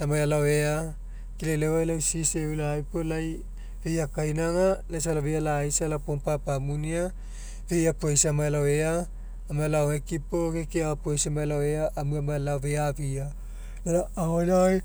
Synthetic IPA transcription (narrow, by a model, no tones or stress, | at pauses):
amajalawea | kilelewajlawsiseulaajpolaj | vejakajnaŋanasalavejalajsalapompapamunia | vejapoesamajalaweaː | majlawhekipokekiawapoisamajalaweaʔːmuamajalaveavia | neɾaːholaj